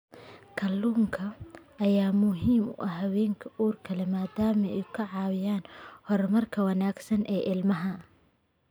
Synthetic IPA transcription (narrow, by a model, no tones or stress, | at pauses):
kʰɐlːuːŋkʰɐɐjaːmʊɦiːmʊ̰ʔɐɦɐwɛːŋkʰɐʔuːrkʰɐlɛmaːd̪aːmɛkʰɐʕɑːwɪjaːnhɔrmɐrkʰɐwɐnaːɡsɐnʔɛːʔɪlmɐɦɐ